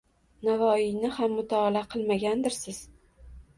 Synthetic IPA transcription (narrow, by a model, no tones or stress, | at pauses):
navɒɪjnɪhamːʊt̪ʰaːlaqʰɨlˠmaɡʲand̪ɪɾsɪz̥